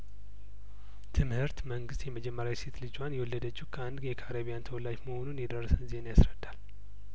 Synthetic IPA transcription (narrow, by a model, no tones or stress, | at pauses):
t̪ʰɨmhɨɾt̪məŋɡɨst̪jɛməd͡ʒɛmːəɾjawiset̪lɨd͡ʒwanjɛwɔlːəd̪ət͡ʃːukʰəand̪jɛkʰaɾaβijant̪ʰəwɔlːad͡ʒməho̞nunjɛd̪ərːəsənzienjasɾəd̪ːal